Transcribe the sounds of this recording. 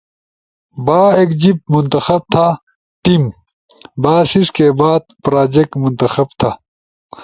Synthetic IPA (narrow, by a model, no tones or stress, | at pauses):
baːeːkd͡ʑib̚munt̪ɐxɐb̚t̪ʰa | ʈim | baːsiskebaːd̪̚pɾaːd͡ʑek̚munt̪ɐxɐb̚t̪ʰa